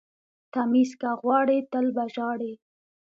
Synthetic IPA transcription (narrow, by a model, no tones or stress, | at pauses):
t̪amiskaɣwɑɽet̪əlbaʒɑɽe